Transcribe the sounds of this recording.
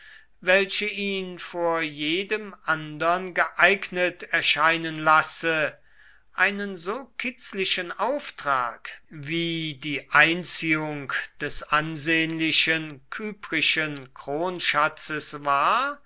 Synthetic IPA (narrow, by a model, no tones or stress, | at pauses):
vɛlʃəʔiːnfoːɐjeːdəmʔandɐnɡəʔaɪknətɛɐʃaɪnənlasə | ʔaɪnənzoːkʰɪt͡slɪʃənʔaʊftʁ̥aːkviːdiːʔaɪnt͡siːʊŋkd̥ɛsʔanzeːənlɪʃənkʰyːpʁɪʃənkʁ̥oːnʃat͡səsvaːɐ